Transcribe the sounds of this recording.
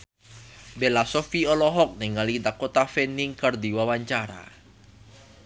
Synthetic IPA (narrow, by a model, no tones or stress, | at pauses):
belasofiɔlɔɦɔk̚niŋalidakot̪afeniŋkərd̪i̤wawaɲt͡ʃaɾa̰